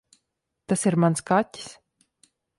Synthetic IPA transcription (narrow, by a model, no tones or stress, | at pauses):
t̪asiɾmanskatʲi̥s